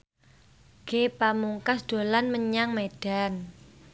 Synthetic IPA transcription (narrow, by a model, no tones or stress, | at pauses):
ɡ̥epamuŋkasd̥o̤lanməɲaŋmeɖ̥a̤n